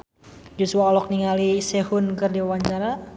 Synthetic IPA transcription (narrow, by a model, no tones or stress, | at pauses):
d͡ʒusuaɔlɔk̚niŋalisehunkɨrdiwaɲt͡ʃaɾa